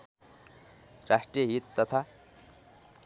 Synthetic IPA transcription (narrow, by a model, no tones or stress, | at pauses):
rasʈrijəɦit̪ːʌt̪ʰa